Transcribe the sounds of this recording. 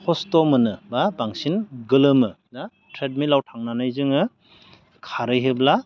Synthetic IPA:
hʰɔstɔmɯnɯbabaŋsinɡɯlɯmɯ | na | tʰɾet̚milawtʰaŋnanajzɯŋɯ | kʰaɾɯjɦebla

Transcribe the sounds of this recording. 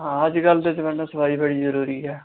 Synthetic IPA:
ɦãəd͡ʒɡəld̪ed͡ʒəʋənasəbaːiːbəɽiːzəɾuːɾiːɦɛː

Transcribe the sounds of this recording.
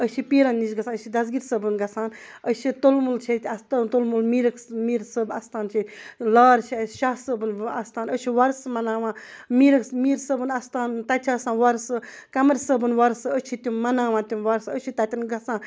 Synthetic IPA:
ət͡ʃʰipiːɾɐnːisɡɐsʰãnəʃid̪ɐzɡiɾsəbɨnɡɐsãːn | ət͡ʃʰit̪olmult͡ʃʰet̪ʰʲɐst̪ant̪olmulmiːɾɐksmiːɾsəbɐst̪aːnt͡ʃʰilaːɾt͡ʃʰiɐʃaɦsəbɨnɐst̪ʰaːnət͡ʃʰiʋɐɾsmɐnaːʋãːmiːɾɐksmiːɾsəbɨnɐst̪aːnt̪ɐt͡ʃʰasãːnʋɐɾsɨkɐmɐɾsəbɨnʋɐɾsɨət͡ʃʰit̪ʲumɐnaːʋãːt̪ʲuʋɐɾsət͡ʃʰit̪ɐt̪ʲinɡɐsãːn

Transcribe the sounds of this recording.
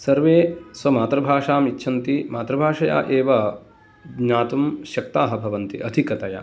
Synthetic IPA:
sɐɾʋeːswɐmaːt̪ɾɐbʱaːʂaːmitːʃʰɐnt̪imaːt̪ɾɐbʱaːʂɐja̰ːʔeːʋɐ | ɲaːt̪umʃɐk̚t̪aːɦɐ̆bʱɐʋɐnt̪iʔɐd̪ʱikɐt̪ɐja̰

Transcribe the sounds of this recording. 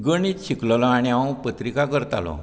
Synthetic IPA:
ɡəɽiːt̪ɕiklɔlɔaɽ̃iãw̃pət̪ɾikakəɾt̪a̰lɔ̰

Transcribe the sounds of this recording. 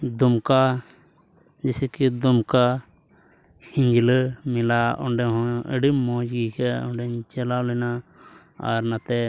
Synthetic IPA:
d̪umka | d͡ʒɛsɛkid̪ɔmka | hiɲd͡ʒləmilaɔ̰ɳɖɛɦɔ̃ə̰ɖimːɔd͡ʒɡikʰɛɔ̰ɳɖɛɲt͡ʃɛlalɔjna | aɾnat̪ɛ

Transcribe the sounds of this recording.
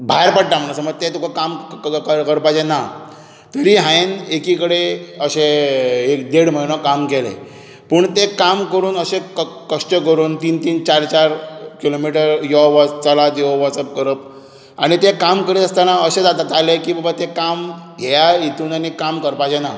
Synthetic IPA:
bʱaɾpəɽʈ̪am̤əɽ̃asəməɾt̪et̪ukʰakamkəɾkəɾpad͡ʑena | t̪əɾiɦãenekikəɽeəɕeed̪eɽm̤əjñɔkamkɛlḛ | pəɳt̪ekamkəɾuːnəɕekkəʂʈəkəɾuːnt̪iːnt̪iːnt͡ɕaɾt͡ɕaɾkilomiʈəɾjɔʋɔt͡salad̪joʋɔt͡səp̚kəɾəp̚ | aɽ̃it̪ekamkəɾit̪əst̪anaəɕẽd͡z̪at̪at̪alekiːbəbət̪ekamɡʱɛjait̪uːnanikamkəɾpad͡ʑena

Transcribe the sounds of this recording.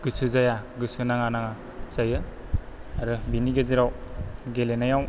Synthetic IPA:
ɡ̥ɯsɯzajaɡɯsɯnaŋanaŋa | zajɯ | aɾɯbiniɡeziɾawɡelenajaw

